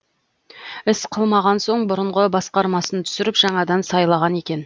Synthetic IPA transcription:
ɪsqʰəlˠmɑʁɑnso̞ɴbʊɾəɴʁəbɑsqɑɾmɑsənt̪ʰʏ̥sɪɾɪpʒɑɴɑd̪ɑnsɑjlˠɑʁɑne̞kʲe̞n

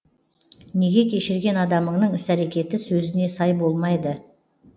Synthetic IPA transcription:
ne̞ɡʲe̞kʲʰe̞ʃɪɾɡʲe̞nɑd̪ɑməɴnəɴɪsæɾe̞kʲe̞t̪ɪsɵzɪne̞sɑjbo̞lˠmɑjd̪ə

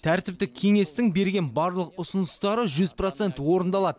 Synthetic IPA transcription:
t̪ʰæɾt̪ɪp̚t̪ɪkʲʰe̞ŋe̞st̪ɪŋbe̞ɾɡʲe̞nbɑɾlˠəqʊsʊnəst̪ɑɾəʒʏzpro̞t̪se̞nt̪wo̞ɾənd̪ɑlˠɑd̪ə

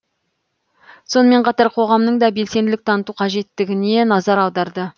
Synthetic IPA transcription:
so̞nəme̞ɴqʰɑt̪ɑɾqʰo̞ʁɑmnəɴd̪ɑbe̞lse̞nd̪ɪlɪk̚t̪ʰɑnət̪uqʰɑʒe̞t̪ːɪɡʲɪne̞nɑzɑɾɑwd̪ɑɾd̪ə

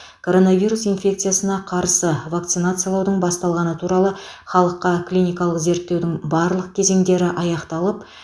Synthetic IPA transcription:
kʰo̞ɾo̞navʲijɾusijnfʲe̞k̚t̪sɨjasənɑqʰɑɾsəvak̚t̪sɨnat̪sɨjalˠɑwd̪əɴbɑst̪ɑlˠʁɑnət̪ʰuɾɑlˠə | χɑlˠəqːɑklʲijnʲijkɑlˠəqze̞ɾt̪ːe̞wd̪ɪŋbɑɾlˠəqkʲʰe̞ze̞ŋd̪e̞ɾɪʔɑjɑqt̪ɑlˠəp

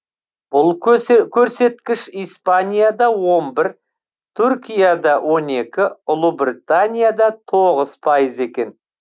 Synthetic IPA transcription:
b̥ʊlˠkʲʰɵɾse̞t̪kʲɪʃijspanʲijad̪ɑwo̞mbɪɾ | t̪ʰʏɾkʲijad̪ɑwʔo̞ne̞kʲɪʊlˠʊbrit̪anʲijad̪ɑt̪ʰoʁəz̥pʰajəze̞kʲe̞n

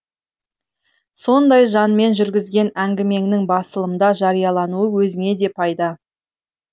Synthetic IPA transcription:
so̞nd̪ɑjʒɑnme̞nʒʏɾɡʲɪzɡʲe̞næŋɡʲɪme̞ŋnɪŋbɑsəlˠəmd̪ɑʒɑɾijɑlˠɑnuəwɵzɪŋe̞d̪e̞pʰɑjd̪ɑ

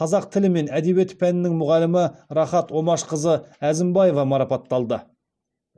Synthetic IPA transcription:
qʰɑzɑq̚t̪ʰɪlɪme̞næd̪e̞we̞t̪pʰænɪnɪŋmʊʁɑlːɪmɪɾɑχɑt̪wo̞mɑʃqəzəæzɪmbɑje̞vɑmɑɾɑpɑt̪ːɑlˠd̪ə

